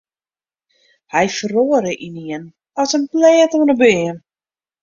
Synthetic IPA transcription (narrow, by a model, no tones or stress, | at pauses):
hɛjfəroəɾəʔiniən | ɔsənplɛːtuənɔbeən